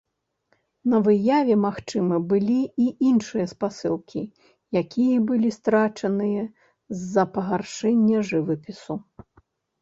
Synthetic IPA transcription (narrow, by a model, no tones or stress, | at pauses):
nɐvɨjavʲɛmaxt͡ʂɨmɨbɨlʲiiinʂɨjɐspasɨlˠkʲi | jakʲijɐbɨlʲist̪ɾat͡ʂɐnɨjɐ | zːɐpɐɣarʂɛnʲːɐʐɨvɨpʲisu